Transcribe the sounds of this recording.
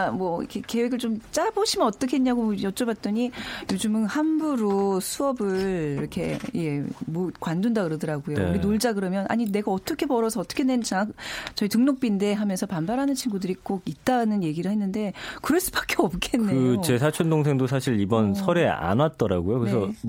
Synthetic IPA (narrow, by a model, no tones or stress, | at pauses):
amwʌḭkʰeke̞we̞ɡɯɭt͡ɕomt͡ɕ͈aboɕʰimʌnʌt͈ʌkʰeeɲaɡojʌt͡ɕ͈ʌbat̚t͈ʌɲijod͡ʑɯmɯnhanbuɾosʰuʌbɯɭiɾʌkʰe̞jemokwandundakɯɾʌdɯɾaɡojoɡinoɭd͡ʑaɡɯɾʌmjʌnʔa̰ɲine̞ɡaʌt͈ʌkʰe̞pʌɾʌsʰʌːt͈ʌkʰenent͡ɕkt͡ɕʌitɯŋnok̚p͈inde̞ɦamjʌnsʰʌpanbaɾɦanɯnt͡ɕʰiŋɡudɯɾik͈oɡit̚t͈anɯnje̞ɡiɾɯɭhenːɯnde̞kɯɾʌɭs͈ɯ̥bak͈ʰeʌp̚k͈ʰenːeɯot͡ɕe̞sʰat͡ɕʰondoŋs̬ʰe̞ŋdosʰaɕʰiɾibʌnsʰʌɾea̰nwat̚t͈ʌɾa̰ɡojokɯɾesʰʌ